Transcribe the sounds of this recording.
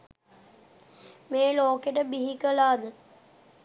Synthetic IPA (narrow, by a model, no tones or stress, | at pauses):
meːloːkeʈəbiɦikəlaːd̪ə